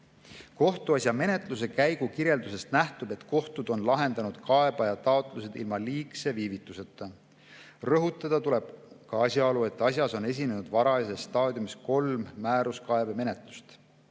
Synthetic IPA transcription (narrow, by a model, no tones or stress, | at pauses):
ko̞ht̪uɑsjɑme̞ne̞t̪ˑluse̞kæjɡ̥ukiɾje̞ld̪use̞st̪næht̪ub̥e̞t̪ko̞ht̪ud̪̥o̞nlɑɦe̞nd̪̥ɑnud̪̥kɑe̞b̥ɑjɑt̪ɑot̪ˑluse̞d̪̥ilmɑliːkse̞viːvit̪ːˑuse̞t̪ːˑɑ | rɤɦut̪ːˑɑd̪̥ɑt̪ule̞b̥̚kɑɑsʲjɑolue̞t̪ːˑɑs̬ʲjɑso̞ne̞s̬ʲine̞nud̪̥vɑɾɑsesːt̪ɑːd̪ʲjumisko̞lmːæːɾuskɑe̞beme̞ne̞t̪ˑlu̥st̪